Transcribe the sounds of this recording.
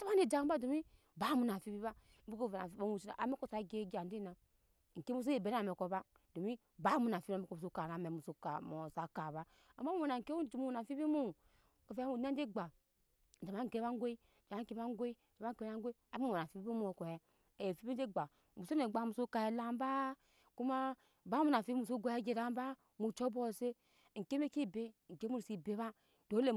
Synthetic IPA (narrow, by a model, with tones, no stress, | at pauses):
ta˦βa˦ne˨d͡ʒa˨˦ba˦do˨mi˦ | ba˦mu˨na˨fi˦bi˦ba˦ | m̩˦u˦ko˦˨e˨na̰˨fi˦a˦mu˨si˦na̰˨ʔa̰˨me˦ko˦˨sa˨˦ɡe˦ɡa˨n˨de˦na˨ | ŋ̩˨ke˦mu˦s̬o˦e˨be˨n˦˨me˨ko˨ba˦ | do˨mi˦ | ba˦mu˨n˨a˨fi˦u˦o˨mu˨s̬o˦ka˨na˨me˨mu˨so˦ka˨mo˨sa˨ka˨βa˦ | a˨ma˦u˦o˨a˨ŋ˨ke˦u˦d͡ʒi˨mu˦˨na˨fi˦bi˦mo˦˨ | ka˨fe˦mu˨na˦n˦e˦ɡ͡ba˨ | d͡ʒa˨ma˦ŋ̩˨ke˦a˦ŋ˦ɡʷe˦i˦˨d͡ʒa˨ma˦ŋ̩˨ke˦a˦ŋ˦ɡʷe˦i˦d͡ʒa˨ma˦ŋ˦e˦e˦a˦ŋ˦ɡʷe˦a˨˦mu˦˨o˨a˨fi˦bi˦o˦m˦o˨ko˨jɛ˦ | e˨je˨fi˦bi˦e˦ɡ͡ba˨ | mu˨so˦ne˨ɡ͡ba˨˦mu˨so˦ka˨e˨la˦m˦ba˦ | ku˦ma˦ | ba˦mu˨na˨fi˦bi˦mu˨s̬o˦ɡʷo˨˦e˦d͡ʒe˨da˦m˦ba˦ | mu˨t͡ʃo˦bo˦˨se˦ | ŋ̩˨ke˦me˦ki˦˨be˦˨ŋ̩˨ke˦mu˦˨si˨be˦βa˦ | d̥o˨˦le˦˨